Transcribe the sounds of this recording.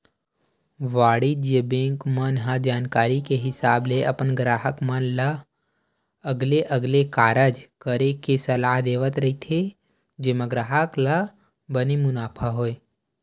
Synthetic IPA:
ʋaːɽid͡ʒebẽːŋkmənɦãd͡ʒaːnkaːɾikeɦɪsaːbleʔɐpənɡɾaːɦəkmənla | əɡleʔəɡlekaːɾəd͡ʒkəɾekesɐlaːɦd̪eːʋət̪ɾɐɦit̪ʰe | d͡ʒemãɡɾaːɦəkla | bənimʊnaːpʰaɦoːe

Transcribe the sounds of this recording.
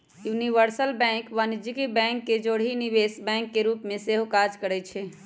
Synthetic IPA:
juniʋəɾsəlbɛ̃ŋkʋanid͡ʒikibɛ̃ŋkːed͡ʒoɽ̤ɦiniʋesbɛ̃ŋkːeɾupmeseɦokad͡ʒkəɾɛt͡ʃʰɛ

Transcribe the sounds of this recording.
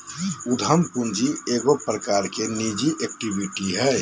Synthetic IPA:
ud̪ʱəmpund͡ʒieːɡopɾəkaːɾkenid͡ʒiʔek̚ʈibiʈiɦɛː

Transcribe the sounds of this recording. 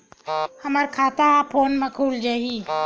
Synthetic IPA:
həməɾkʰat̪apʰonmekʰuld͡ʒaɦi

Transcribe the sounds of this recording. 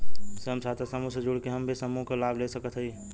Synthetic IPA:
seɦəmsaːt̪ʰesəmũsed͡ʒʊɽkeɦəmbʱisəmũkolaːbʱlesəkət̪ɦəi

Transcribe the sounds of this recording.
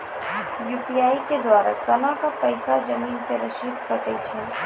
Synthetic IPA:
juːpijaːiked̪waːɾa̰kɐnãkapɐɪsad͡ʒɐmiːnkeɾɐʃiːd̪kɐʈet͡ʃʰɛ̃

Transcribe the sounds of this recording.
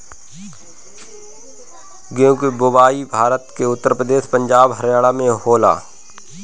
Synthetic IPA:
ɡeõkebobaːibʱaːɾət̪keʊt̪ːəɾpɾəd̪eːʃpə̃ɲd͡ʒaːbɦəɾjaːɽamẽɦoːla̰ː

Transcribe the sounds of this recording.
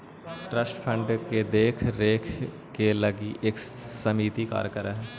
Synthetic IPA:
ʈɾəsʈpʰə̃ɳɖked̪eːkʰɾeːkʰ | keləɡiʔeksəmiːt̪ika̰ːɾkəɾaɦɛ

